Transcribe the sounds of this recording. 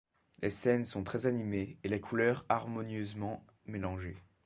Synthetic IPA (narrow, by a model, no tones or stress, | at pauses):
lʔesɛnsɔ̃t̪χɛzanimeːlekʰulœʁaʁmɔnjøzmɑ̃ | melɑ̃ʒe